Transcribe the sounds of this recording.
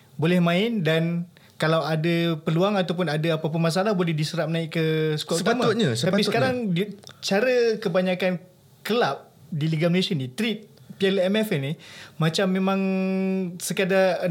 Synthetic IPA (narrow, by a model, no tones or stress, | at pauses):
bolɛhmãɪndan | kalawadapəluaŋat̪awpʊnadaapap̬ʊnmas̬aalahbolɛhdisəɾaʔ̚mənaɪkkəsə̥kuaʔusəut̪amatɲasəaisəkaɾaŋdt͡ʃaɾəkəbaɲakan | kəlap̚ | diliɡaməlesianit̪ɾit̪̚ | piɛlɛmɛfɛnimat͡ʃamːemãŋ | səkada